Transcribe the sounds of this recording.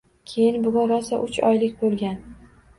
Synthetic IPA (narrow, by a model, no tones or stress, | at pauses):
kʲʰe̞jɪnbʊɡʲʊnɾɒsaʔʊt͡ʃʰɒ̰jlɪkʲbolˠɡʲan